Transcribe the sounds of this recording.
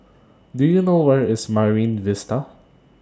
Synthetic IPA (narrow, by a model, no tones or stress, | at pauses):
dujunoːwɛɹɪsmaɹĩːnvɪst̪a